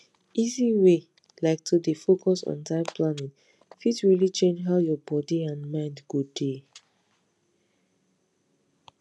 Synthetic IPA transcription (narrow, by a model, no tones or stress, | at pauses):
ʔiziwe | laɪk̚tʰudifokʰɔsɔ̰̃ntãɪ̃mplanĩŋ | fitɹilit͡ʃẽnd͡ʒɦaʊjɔbɔdiãnmãɪ̃ndɡudde